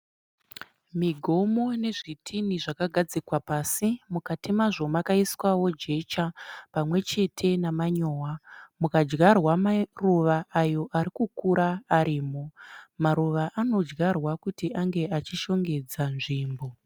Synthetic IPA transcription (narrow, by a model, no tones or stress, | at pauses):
miɡʱo̞mo̞ne̞ʐitʰiniʐakaɡʱad͡zikwapaːsimukatimaʐo̞makaiswawo̞d͡ʒe̞t͡ʃapamwe̞t͡ʃe̞tʰe̞namaɲoːwamukad͡ʒɡarwamaruʋaʔajo̞ʔaɾikukuɾaːɾiːmo̞maɾuʋaʔano̞d͡ʒɡarwakutiʔaŋɡe̞ʔat͡ʃiʃo̞ŋɡe̞d͡zanʐiːmbo̞